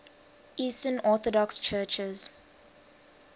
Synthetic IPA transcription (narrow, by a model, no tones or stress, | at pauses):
ʔiːstənɔːθɔdɔkst͡ʃʰɜːt͡ʃɪz̥